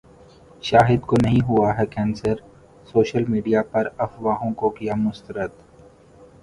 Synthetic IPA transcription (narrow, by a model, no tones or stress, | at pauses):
ʃaːɦɪd̪konɐɦĩɦʊaɦɛkɛ̃ːnsəɾ | soːʃəlmiːɖijapɐɾɐfʋaːɦõkokijamʊst̪əɾət̪